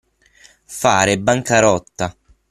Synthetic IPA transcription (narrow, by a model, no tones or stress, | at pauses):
faːɾɪbaŋkaɾɔt̪ːa